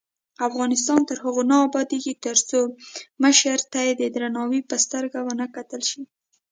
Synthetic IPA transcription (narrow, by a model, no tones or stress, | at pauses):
afɣɑnɪst̪ɑnt̪əɾɦəɣonɑːbɑd̪eɡit̪əɾt͡soməʃəɾt̪ajed̪əd̪ɾanɑwipəst̪əɾɡawənəkat̪əlʃi